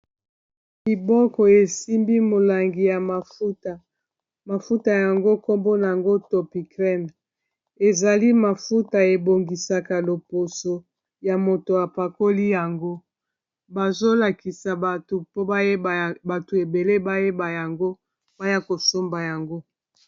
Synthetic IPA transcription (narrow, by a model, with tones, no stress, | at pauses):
bi˨bɔ˦kɔ˨e˨si˦mbi˦mo˨la˨ŋɡi˨ja˨ma˨fu˦ta˨ | ma˨fu˦ta˨ja˨ŋɡo˦ko˦mbo˦na˨a˨ŋɡo˦to˨pi˨kʁɛ˦n | e˨za˨li˦ma˨fu˦ta˨e˨bo˨ŋɡi˨sa˨ka˨lo˨po˨so˨ | ja˨mo˨to˨a˨pa˨ko˦li˦ja˨ŋɡo˦ | ba˨zo˦la˨ki˨sa˨to˨po˦˨ba˨to˨e˨be˨le˦ba˦je˦ba˨ja˨ŋɡo˦ | ba˦ja˦ko˨so˦mba˨ja˨ŋɡo˦